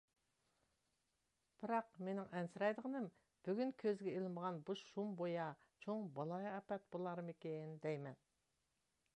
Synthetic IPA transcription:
b̥ɪɾɑqme̞nɪŋʔænsəɾɑjd̪əʁənəm | b̥ʏɡʲɪŋkʲʰɵzɡʲeelˠɪmɑʁɑnbʊʃʃumbojɑ | t͡ʃʰoɴbɑlˠɑjæpæt̪̚bolˠɑɾəmekʲenɪnd̪æjmen

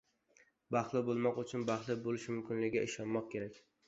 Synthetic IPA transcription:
baχlˠɪbolˠmɒqʊt͡ʃʰʊnbaχlˠɪbolɪʃmʊmkʲɪnlɪɡʲaɪʃɒnmɒq̚kʲʰe̞ɾakʲ

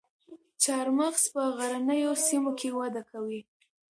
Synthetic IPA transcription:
t͡ʃɑɾmaxspəɣaɾanəjosimokewad̪akawi

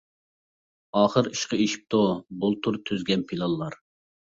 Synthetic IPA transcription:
ɑːχəɾiʃqəeʃi̥p̚t̪ubulˠt̪ʰuɾt̪ʰyzɡʲɛnpʰilˠɑlˠːɑɾ

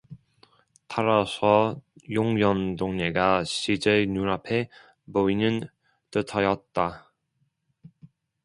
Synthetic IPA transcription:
tʰaɾasʰʌjoŋjʌndoŋɲeɡaɕʰid͡ʑenuɾapʰe̞ | boinɯn | tɯtʰʌjʌt̚t͈a

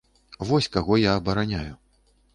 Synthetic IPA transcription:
vɔsʲkaɣɔjaːbɐɾanʲaju

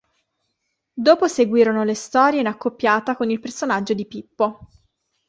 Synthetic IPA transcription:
d̪oːposeɡwiːɾonolest̪ɔːɾjeinakːopːjaːt̪akonilpersonad͡ʒːod̪ipipːo

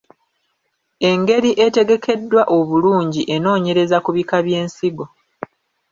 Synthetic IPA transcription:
e̞ŋɡe̞ɾiʔe̞te̞ɡe̞kʰe̞dːwaʔoβuluːɲɟiʔe̞no̞ːɲe̞ɾe̞zakuβikaβje̞ːnsiɡo̞

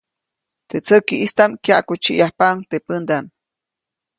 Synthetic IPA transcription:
t̪et͡səkiʔist̪amkjaʔkut͡ʃiʔjahpaŋt̪epənd̪am

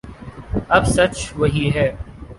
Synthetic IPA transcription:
ɐbsɐt͡ʃʋɐɦiɦɛː

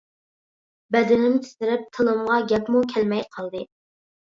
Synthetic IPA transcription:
bɛd̪ɪnɪmt̪ʰi̥sɪɾɪp̚t̪ʰɨlˠɨmʁɑɡʲɛpmukʲʰɛlmɛjqʰɑlˠd̪ɨ

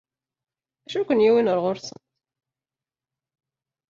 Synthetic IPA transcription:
æʃukʷənjiwinəɾʁoɾsə̰nt̪

